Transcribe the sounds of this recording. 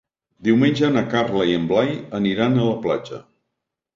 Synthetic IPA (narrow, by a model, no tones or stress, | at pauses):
d̪iwmenʲd͡ʒənəkarləiəmblajəniɾanələplad͡ʒə̰